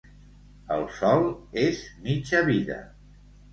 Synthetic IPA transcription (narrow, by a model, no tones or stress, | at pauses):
əlˠsɔlˠezmit͡ʃəβiðə̰